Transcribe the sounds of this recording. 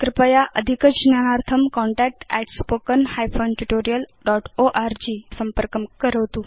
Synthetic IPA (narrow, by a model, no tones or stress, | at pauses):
kɾɪpəjaʔəd̪ʱikət͡ɕnjanaɾt̪ʰəmkɔɳʈɛk̚ʈɛʈspokənhajfʰonʈuʈoɾijəlɖɔʈoʔaɾd͡ʑisəmpəɾkəkəɾəʋt̪u